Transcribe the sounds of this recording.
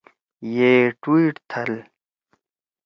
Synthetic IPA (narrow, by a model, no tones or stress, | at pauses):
jeːʈwiːʈt̪ʰɐl